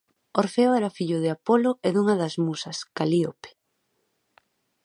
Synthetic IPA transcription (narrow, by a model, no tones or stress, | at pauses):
oɾfeoɛɾɐfiʎʊðeapolʊʔɛðuŋɐðɐzmusɐskaliope̥